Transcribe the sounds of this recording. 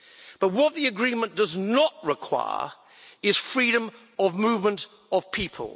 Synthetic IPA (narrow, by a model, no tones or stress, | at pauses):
b̥ʌt̚wʌt̪̚ðiɨɡɹĩmə̃nd̥ʌznəʔ̚ɹɪkʰw̥a̰ɪə̰ | ɪz̥fɹiɾə̃m | əvmʉvmə̃nt | əv̥pʰipʰə̰lˠ